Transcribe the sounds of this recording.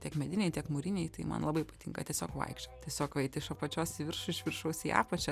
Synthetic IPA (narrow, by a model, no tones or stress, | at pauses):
tʲiɛkmʲɛd̪ʲɪnʲɛɪt̪ʲiɛkmʊɾʲɪnʲɛɪt̪ɐɪmɐ̰nlˠɑːbɐɪpɐt̪ʲḭːŋkɐ̰tʲiɛsʲoːkʋɐ̰ɪkʃt͡ʃʲot̪ʲiɛsʲoːkʋɐɪt̪ʲɪʃopɐt͡ʃʲoːsʲʋʲɪɾʃʊɪʃʲʋʲɪrʃɐʊsʲɪːɑ̰ːpɐt͡ʃʲɛ